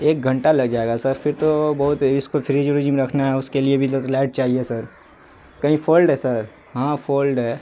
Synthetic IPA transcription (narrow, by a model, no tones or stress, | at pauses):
eːk̚ɡʱɐ̃ɳʈalɐɡd͡ʒaːeːɡasɐɾpʰɪɾt̪obɐɦʊt̪ɪskopʰɾid͡ʒuɽid͡ʒimeɾɐkʰnaɦɛʊskeliebʱid̪ot̪lɛːʈ̚t͡ʃaːɦiesɐɾ | kɐɦĩfʰoːlɖɦɛsɐɾ | ɦãfʰoːlɖɦɛː